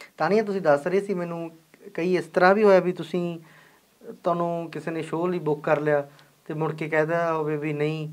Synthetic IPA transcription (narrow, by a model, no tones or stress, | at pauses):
t̪aːnĩːãːt̪ʊsĩːd̪əsɾəeːsiːmɛːnũː | kəiːɪst̪əɾãːʋiːɦoːjaːbiːt̪ʊsĩː | t̪ʊaːnũːkɪseːnẽːʃoːliːbʊkːəɾljaː | t̪eːmʊɽkeːkɛ̃ːd̪aːoːʋeːbiːnəĩː